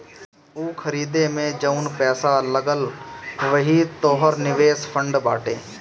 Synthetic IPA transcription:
uːkʰɐɾiːd̪emẽd͡ʒəʊnpɛːsaləɡəlʋɐɦit̪oːɦəɾnɪʋeːspʰə̃ɳɖbaːʈḛː

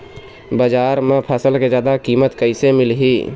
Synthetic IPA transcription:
bəd͡ʒaːɾmẽpʰəsəlked͡ʒjaːd̪akiːmət̪kəɪsemɪlɦi

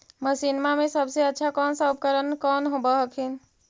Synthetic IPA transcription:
məsinmamesəbseətːʃʰakɔnsə̃bkəɾənkɔnɦobəɦkʰin̆

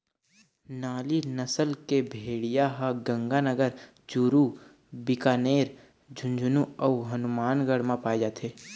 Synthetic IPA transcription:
naːlinəsəlkebʱeːɽijaɦaɡə̃ŋɡanəɡəɾ | d͡ʒuːɾu | bɪkaːneːɾ | d͡ʒʱʊ̃nd͡ʒʱnuɔːɦənʊmaːnɡəɽ̤mãpaːed͡ʒaːt̪ʰeː

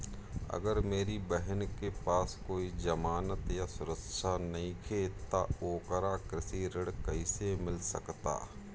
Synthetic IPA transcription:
ə̰ɡəɾmeːɾibɛɦənkepaːskoːid͡ʒəmaːnət̪jasʊɾəkʃanɐɦĩkʰeːt̪a̰oːkəɾakɾɪsiɾəɽkɐɪsemɪlsə̰kt̪a̰ː

